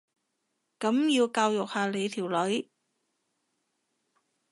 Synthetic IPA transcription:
kɐ˨˥mjiː˧wkaː˧wjʊ˨k̚haː˧le˨˧jt̪ʰiː˨˩wlɵ˨˥ɥ

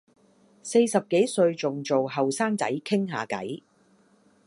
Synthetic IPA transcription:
se˧jsɐ˨p̚ke˨˥jsɵ˧ɥt͡sʊ˨ŋt͡so˨wɦɐ˨wsaː˥ŋt͡sɐ˨˥jkʰɪ˥ŋɦa̰ː˨kɐ̰˨˥j

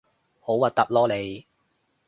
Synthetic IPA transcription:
ho˨˥wɐ˨t̪̚ɐ˥p̚lɔː˥le˨˧j

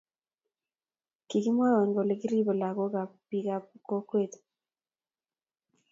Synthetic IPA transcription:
ki˨ki˦mwa˦ɾa˨ŋɡo˨le˨ki˦ɾi˦bɔ˨la˨ko˦ka˨pːi˨ka˦pko˦kwe˦˨t̪

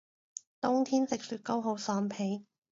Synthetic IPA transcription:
t̪ʊ˥ŋt̪ʰiː˥nt͡sɪ˨k̚syː˧˩t̚ko˥wɦo˨˧˥wsɔː˨˧npʰe˨˧j

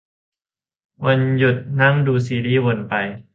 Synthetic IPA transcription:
wa˧nju˨˩t̪̚na˦˥ŋduː˧siː˨˦liː˦˥˩wo˧˩npa˧j

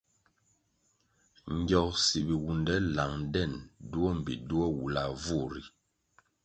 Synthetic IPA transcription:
ŋɡjɔ˨ksi˨bi˨wu˨ndɛ˦la˨ŋdɛ˦˨ndu˦ɔ˦m̩˨bḭ˨du˦ɔ˦wu˨la˨vu˦˨ɾi˨

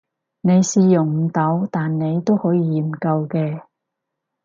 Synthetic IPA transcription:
ne˨˧jsiː˨jʊ˨˩ŋm̩˨˧t̪ɐ˨˥wt̪aː˨nne˨˧jt̪o˥whɔː˨˥jiː˧m̩˨˩kɐ˧wkɛː˧

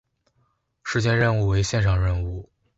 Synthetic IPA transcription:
ʂɻ̩˥˧t͡ɕjɛ˥˧nɻə˥˧nu˥˩we˧˥ɪɕjɛ˥˧nʂʰɑ˧˩ŋɻə˥˧nu˥˩

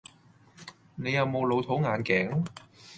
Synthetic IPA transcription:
ne˨˧jɐ˨˧wmo˨˧wlo˨˧wt̪ʰo˨˥wŋaː˨˧nkɛː˨˥ŋ

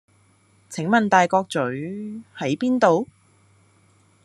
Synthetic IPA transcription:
t͡sʰɪ˨˥ŋmɐ˨nt̪aː˨jkɔː˧k̚t͡sɵ˨˥ɥhɐ˨˥jpiː˥nt̪o˨w

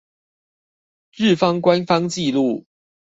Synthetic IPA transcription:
ɻ̩˥˨fɑ˦ŋkwa˦nfɑ˥ŋt͡ɕi˥˧lu˥˨

